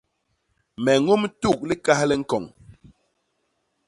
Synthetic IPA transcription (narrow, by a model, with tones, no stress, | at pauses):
mɛ˨ŋo˦m˦tu˦˨k̚li˦ka˦hlɛ˦ŋ̩˦kɔ˨ŋ